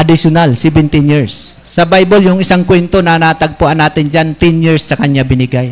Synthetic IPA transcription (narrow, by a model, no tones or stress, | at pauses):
ʔɐd̪ɪsjʊnalsɛbɛnt̪ɪnjiɹsː | ɐbajboljʊŋʔɪsaŋkwɛnt̪o̞nɐnat̪ɐɡ̚pʊʔanːaːt̪ɪnd͡ʒant̪ɛnjiɹsːɐkɐɲjabɪnɪɡaj